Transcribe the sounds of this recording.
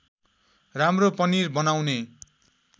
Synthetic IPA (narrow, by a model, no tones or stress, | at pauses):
ramropʌnirbʌnawne